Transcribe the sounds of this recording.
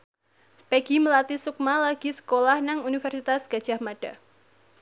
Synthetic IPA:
peɡ̥iməlat̪isuk̚malaɡ̥isə̥kolahnaŋunifɛrsit̪asɡ̥a̤dʒ̥a̤hmaɖ̥a̤

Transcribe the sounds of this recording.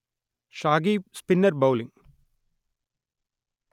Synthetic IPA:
ʃaːɡiːspinːɐɾbɐwliŋ

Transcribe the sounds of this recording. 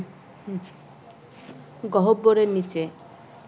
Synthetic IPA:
ɡɔɦobːoɾenit͡ʃe

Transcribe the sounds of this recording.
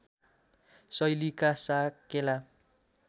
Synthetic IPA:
sʌjlikasakela

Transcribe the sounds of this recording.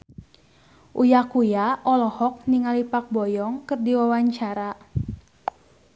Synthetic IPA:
ʔujakujaʔɔlɔhɔk̚niŋalipak̚bɔjɔŋkɨrdiwawaɲt͡ʃaɾa

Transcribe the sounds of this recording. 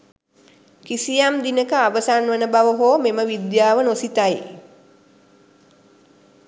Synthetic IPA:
kisijamd̪inəkəaʋəsanʋənəbaʋəɦoːmeməʋid̪jaːʋənosit̪aj

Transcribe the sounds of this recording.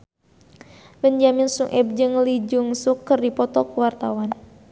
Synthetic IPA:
bəɲd͡ʒaminsuŋʔɛb̚d͡ʒɨŋlid͡ʒuŋsukːɨrdipɔt̪ɔkuwart̪awan

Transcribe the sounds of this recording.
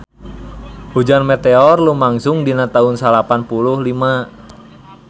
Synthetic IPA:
hud͡ʒanmɛt̪eɔrlumaŋsʊŋdinat̪aɦunsalapanpuluhlima

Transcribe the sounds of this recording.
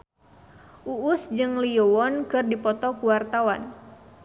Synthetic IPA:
ʔuːsd͡ʒɨŋliɔwɔnkɨrdipɔt̪ɔkuwart̪awan

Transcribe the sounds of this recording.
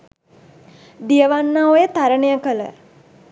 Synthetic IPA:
d̪ijəʋanːaojət̪aɾənəjəkələ̰

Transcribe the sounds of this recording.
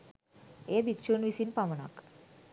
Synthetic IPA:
ebʱikt͡ɕunʋisiːnpaʋɳa̰k

